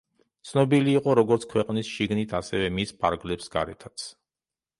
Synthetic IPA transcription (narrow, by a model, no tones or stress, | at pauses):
t̪sʰnɔbiliːqʼɔɾɔɡɔɾt̪skʰwɛqʼnisʃiɡnit̪ʰasɛvɛmispʰa̰ɾɡlɛpsɡa̰ɾɛ̰t̪ʰat̪sʰ